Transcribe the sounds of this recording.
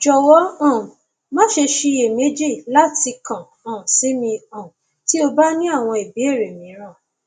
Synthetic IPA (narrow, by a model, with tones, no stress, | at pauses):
d͡ʒɔ˨wɔ˦ã˦˨ | mã˦ʃe˧ʃi˧e˨me˨˦d͡ʒi˦˨la˦ti˧kã˨ | ã˨si˨˦mĩ˧ã˨ | ti˦o˧ba˦nĩ˦a˦˨w̃ɔ̃˧i˨bi˨˦e˦˨ɾe˨mĩ˨˦ɾ̃ã˦˨